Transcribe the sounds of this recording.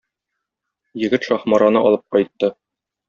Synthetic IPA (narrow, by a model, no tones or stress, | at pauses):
jɘ̆ɡɘt̪ʃɒχmɑɾɑnɤʔɒlˠɤp̚qɒjt̪ːɤ